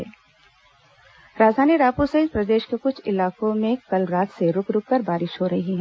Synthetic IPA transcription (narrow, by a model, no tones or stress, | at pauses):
ɛ̰ː | ɾaːd͡ʒ̪ʱaːniɾaːpusɐɪd̪pɾɐd̪eːʃkekʊt͡ʃʰɪlaːkõmẽkɐlɾaːt̪seɾʊkɾʊkkɐɾbaːɾɪʃɦoɾɐɦiɦɛ̃ː